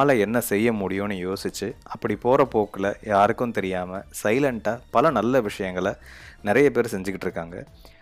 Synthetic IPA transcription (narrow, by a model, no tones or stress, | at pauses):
lɐɛnːɐsɛjːɐmʊɽɪjõːnɯjoːsɪt͡ʃːɯɐpːɐɽipoːɾɐpoːkːɪlɐ̰jaːɾɯkːɯmt̪ɛɾɪjaːmɐsɐɪlɐɳʈaːpɐlɐnɐlːɐʋɪʂɐjɐŋɡɐɭɐnɪɾɐjɐpeːɾsɛɲd͡ʒɯkːɪʈːɪɾɯkːaːŋɡɐ̰